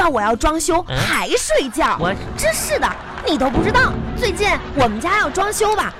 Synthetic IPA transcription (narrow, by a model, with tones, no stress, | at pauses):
ɑ˥˩wɔ˨˩jɑ˥˩ʊʈ͡ʂwɑ˥ŋɕjo˥ʊxa˧˥ɪʂwe˥˧ɪt͡ɕjɑ˥˩ʊ | ʈ͡ʂ̩˥˧ʂɻ̩˥˩d̪ə˩ | ni˨˩t̪o˥ʊp̬u˥˩ʈ͡ʂɻ̩˥t̪ɑ˥˩ʊt͡swe˥˧ɪt͡ɕi˥˩nwɔ˨˩mə˦nt͡ɕja˥jɑ˥˩ʊʈ͡ʂwɑ˥ŋɕjo˥ʊbɐ˨